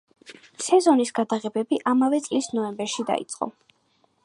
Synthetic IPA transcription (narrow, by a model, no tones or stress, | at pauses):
sɛzɔnisɡ̥ad̪aʁɛbɛbiʔamavɛt̪sʼlisnɔɛmbɛɾʃid̪a̰ḭt̪sʼqʼɔ̰